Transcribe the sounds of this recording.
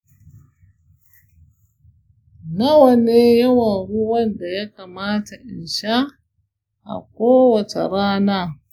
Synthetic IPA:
na˦wɐ˨neː˦jɐ˦wɐ˨nɽu˦wɐ˦nda˨ja˦ka˨maː˦ta˨ʔɪ˨nʃa˦ | ʔa̰˨kʷoː˦wɐ˨t͡ʃḛ˨ɽaː˦naː˦˨

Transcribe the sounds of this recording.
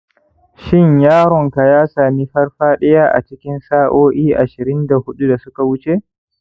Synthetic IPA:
ʃɪ˦ɲjaː˦ɾɔ˨ŋka˨jaː˦saː˨miː˦ɸɐ˦rɸaː˦ɗɛ˦jaː˦ʔa̰˨t͡ʃɪ˦kʲɪ˦nsaː˦ʔoː˦ʔiː˦ʔa˨ʃɪ˨ɾɪ˦nda˨hʊ˦ɗu˦da˨sʊ˦ka˨wʊ˦t͡ʃeː˦ʔ

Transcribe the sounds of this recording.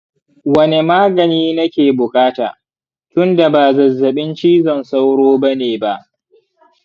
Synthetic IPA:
wɐ˦ne˨maː˦ɡɐ˨niː˦nɐ˦kʲeː˨bʊ˨kʼaː˦ta̰ː˨ | tʊ˦nda˨baː˨zɐ˨zːɐ˨ɓɪ˦nt͡ʃiː˦zɐ˨nsa˦wɽoː˦bɐ˦neː˨ba˦ʔ

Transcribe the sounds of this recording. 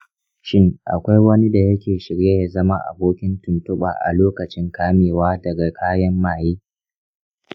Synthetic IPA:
ʃɪ˦ŋʔa̰˨kʷa˦jwɐ˦ni˦da˨jɐ˦kʲeː˨ʃɪ˨ɽje˦ja˨zɐ˦ma˦ʔa̰˨boː˦kʲɪ˦ntʊ˨ntʊ˦ɓa̰ː˨ʔa̰˨loː˦kɐ˨t͡ʃɪ˦ŋkaː˦meː˨waː˦dɐ˨ɡa˨kʰaː˦jɐ˦mːaː˨jiː˦

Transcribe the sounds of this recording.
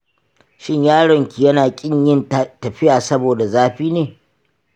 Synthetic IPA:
ʃɪ˦ɲjaː˦ɽɔ˨ŋkʲi˨jɐ˦naː˨kʲʼɪ˦ɲjɪ˦ntɐ˨ɸɪ˦jaː˨sɐ˦boː˨da˨zaː˦ɸiː˦neː˨

